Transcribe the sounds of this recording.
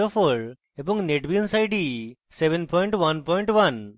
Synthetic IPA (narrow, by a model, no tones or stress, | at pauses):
ofoɭ | ebɔ̃ŋneʈbinsajɖi | seʋẽnpʰɔjɳʈʋɐnpɔjɳʈʋɐn